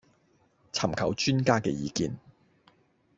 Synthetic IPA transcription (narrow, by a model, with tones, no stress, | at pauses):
t͡sʰɐ˨˩mkʰɐ˨˩wt͡ʃyː˥nkaː˥kɛː˧jiː˨˧kiː˧n